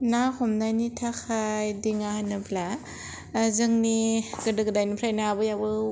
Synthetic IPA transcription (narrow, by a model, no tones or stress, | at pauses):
nahɔmnajnitʰakʰajdiŋahanɯbla | zɯŋniɡ̥ɯdɯɡɯdajnipʰɾajnaːbɯjabɯ